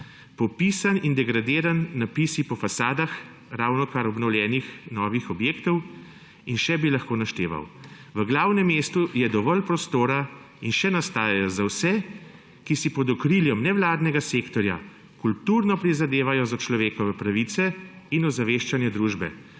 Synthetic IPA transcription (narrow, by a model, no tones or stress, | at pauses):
pɔpisanind̪ɛɡɾad̪eːɾanːapiːsipɔfasaːd̪ax | ɾaːwnɔkaɾɔbnɔwljɛːnixnɔːʋixɔbjeːkt̪ɔw | inʃɛbilaxkoːnaʃt̪ḛːʋa̰w | ʋəɡlaːwnɛmːeːst̪ujɛd̪ɔʋɔlpɾɔst̪oːɾa | inʃɛnast̪aːjajɔzawsɛ | kisipɔd̪ɔkɾiljɔmnɛʋlaːd̪nɛɡaseːkt̪ɔɾja̰ | kult̪uɾnɔpɾizad̪eːʋajɔzat͡ʃlɔʋeːkɔʋɛpɾaʋit̪sɛ | inɔzaʋeːʃt͡ʃanjɛd̪ɾuːʒbɛ̰